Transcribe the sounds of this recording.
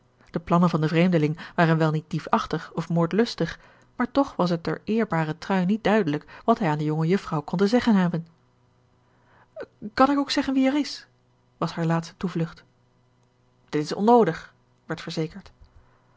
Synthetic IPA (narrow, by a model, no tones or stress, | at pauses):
d̥əplɑnənvɑndəvrejmdəlɪŋʋaːʁənʋɛlˠnit̚d̥ipɑχtəχɔfmoːɹtlɵstəχ | maːɹtɔχʋɑs̬ət̚ɛ̰ɹɪːɹbaːʁətrœɥnːit̚d̥œɥdələkʋɑtɦɛjaːndəjoŋəjɵfrɑwkɔntəzɛχənɦɛbən | kɑnɪkowksɛχənʋiɛɹɪs | ʋɑshaːɹlaːtstə̥tuvlɵχt | d̥ɪtɪsɔ̰nowdəχ | ʋɛɹtfəɹzejkəɹt